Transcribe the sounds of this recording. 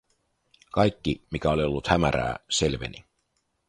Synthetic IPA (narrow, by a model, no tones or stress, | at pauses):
kɑjkːimikæolio̞lːut̪hæmæɾæ̰ːse̞lʋḛni